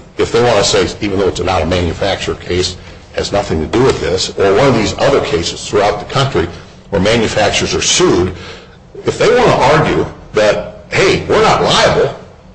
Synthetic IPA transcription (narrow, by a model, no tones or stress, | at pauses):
ɨfðeɪwɑ̃ñəseɪivɨ̃n̩ðoʊətsəlaʊɾəmæ̃njɨfæk̚t͡ʃə˞kʰeɪs | hɨznʌθɪ̃ŋtʰɨdɨwəðɪsə˞wʌ̃ñʌvðizʌðə˞kʰeɪsɨz̥θɹuaʊt̪̚ðəkʰʌ̃nt͡ʃɹ̥i | wə˞mæ̃njɨfæk̚t͡ʃə˞zə˞sud | ɨfðeɪwɑ̃ntəʔɑɹɡjʉ | ðɨt̚heɪwɪɹnətˡlaɪəbl̩ˠ